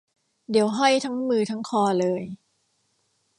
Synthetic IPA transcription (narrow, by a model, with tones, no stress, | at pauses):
di˨˩˦wɦa˥˩jt̪ʰa˦˥ŋmɯː˧t̪ʰa˦˥ŋkʰɔː˧lɤː˧j